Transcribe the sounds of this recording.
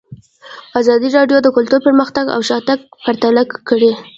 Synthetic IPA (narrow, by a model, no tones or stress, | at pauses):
ɑzɑd̪iɾɑɖjod̪əkʊlt̪uɾpəɾməxt̪aɡa̰wʃɑt̪aɡpaɾt̪alakːəɽe